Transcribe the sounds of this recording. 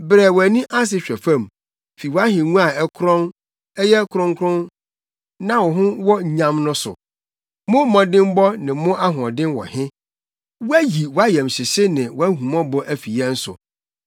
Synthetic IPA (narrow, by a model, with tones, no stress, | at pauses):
bɾɛ˨wɔ˨æ˨nĩ˦ʔa˦s̬ɪ˨ɕᶣɛ˨fã˦˨m | fi˨wɔ˨a˦ɦɪ̃˨ŋũ˦a˨ɛ˦kʰɾɔ̃˦n | ɛ˦jɛ˦kʰɾɔ̃˦ŋkʰɾʊ̃˦n | nã˦wɔ˨ɦʊ̃˦wɔ˦˨ɲã˦mnʊ̃˦sʊ̰˨ | mʊ̃˦mɔ̃˨dɪ̃˦mbɔ˦nɪ̃˨mʊ̃˦ʔa˦ɦʊ̃˨ɔ˨dɪ̃˦nwɔ̰˨hɪ̃˦ | wæ˦ji˨wɔ˨˦a˦jɛ˨mɕɪ˨ɕɪ˦nɪ̃˨wɔ˦æ˦ɦũ˨mɔ̃˦bɔ˦ʔæ˨fi˨jɛ˦n̩˦sʊ̰˨